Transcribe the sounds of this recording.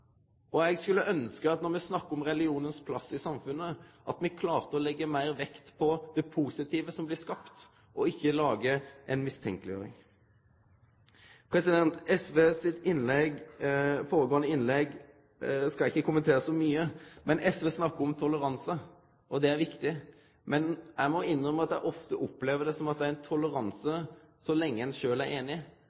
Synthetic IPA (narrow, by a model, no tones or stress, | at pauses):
ɔɛɡskʉlːəʔœnskəɑt̪nɔʁmɛsnɑkːəɔmʁɛlɪuːnənspʰlɑsɪsɑmfʉnːəʔɑt̪mɛkʰlɑːʁt̪əɔlɛɡːəmæɪʁʋɛkt̪pʰɔd̪̥ɛpʰuːsɪt̪ʰiːʋəsɔmblɪskɑpt̪ | ʔɔɪçːəlɑːɡəʔɛnmɪst̪ʰɛ̰ŋkəlɪjø̰ːɾɪ̰ŋ | pʰɾɛsɪd̪ɛnt̪ɛsʋeːsɪt̪ɪnlɛɡfoːɾəɡoːənəɪnlɛɡ | skɑlɪçːəkʰʊmːənt̪ʰeːɾəsɔmyːəmɛnʔɛsʋeːsnɑkːəɾɔmt̪ʰɔləɾɑnsə | ʔɔd̪ɛæɾʋɪkt̪ɪ | mɛnjæɪmɔɪnːʁœməɑt̪jæɪʔɔft̪əʔɔpːleːʋəd̪ɛsɔmɑt̪̚d̪ɛæɾɛnt̪ʰɔləɾɑnsə | sɔlɛŋːəɛnʃøːlæɾeːnɪ